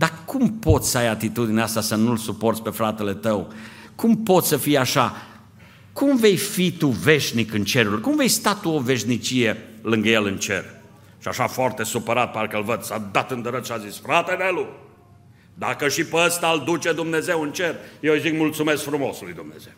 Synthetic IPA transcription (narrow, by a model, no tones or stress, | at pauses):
d̪akumpo̞t̪sʲsəajat̪it̪ud̪ineast̪asənulsupo̞rt̪sʲpe̞fɾat̪e̞le̞t̪əw | kumpo̞t̪sʲsəfijaʃa | kumve̞jfit̪uve̞ʃnikɨnt͡ʃe̞ɾulkumve̞jst̪at̪uove̞ʃnit͡ʃije̞lɨŋɡəjelɨnt͡ʃe̞̰r | ʃiaʃafoart̪e̞supəɾat̪̚pat̪ukəlvəd̪sad̪at̪ɨnd̪əɾət̪ʃiazisfɾat̪enelu | d̪akəʃipəəst̪ald̪ut͡ʃe̞d̪umne̞ze̞wɨnt͡ʃerjewzikmult̪sume̞skfɾumo̞sulujd̪umne̞̰ze̞w